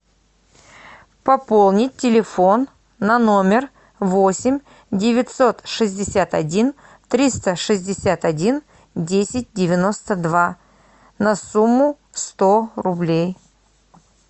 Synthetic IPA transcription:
pɐpo̞lˠnʲɪt̚ʲtʲːɪlʲɪfo̞nː | ɐno̞mʲɪr | vo̞sʲɪmʲ | dʲɪvʲɪt̪so̞t̪ʂɨzʲdʲɪsʲat̪ɐdʲin | t̪ɾʲist̪əʂɨzʲdʲɪsʲat̪ɐdʲin | dʲesʲɪt̚ʲdʲɪvʲɪno̞st̪əd̪va | nɐsumːʊ | st̪o̞rʊblʲej

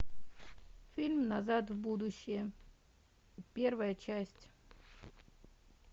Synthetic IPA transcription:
fʲilʲmnɐzat̪vbud̪ʊɕːɪjə | pʲe̞rvəjət͡ɕæsʲtʲ

